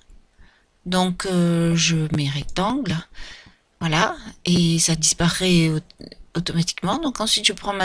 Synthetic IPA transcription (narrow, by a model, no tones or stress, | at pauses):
d̪ɔ̃kʰøʒəmeʁɛk̚t̪ɑ̃ɡl | vwalaesad̪ispaʁɛ | ot̪ɔmat̪i̥kmɑ̃d̪ɔ̃kɑ̃sɥit̪ʒəpχɑ̃ma